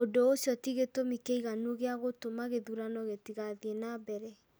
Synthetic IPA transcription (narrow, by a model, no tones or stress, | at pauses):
odoosjɔtiɣetomikeiɣanuoɣeaɣotomaɣeðuɾanɔɣetiɣaðienabɛɾɛ